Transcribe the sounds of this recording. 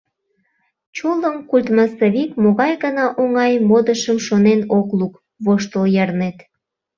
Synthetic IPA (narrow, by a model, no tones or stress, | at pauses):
t͡ɕoləmkulʲt̪mɑsoβikmoɣɑjɣənɑʔoŋɑjmod̪əʃəmʃonenokluk | βoʃt̪əljɑrnet̪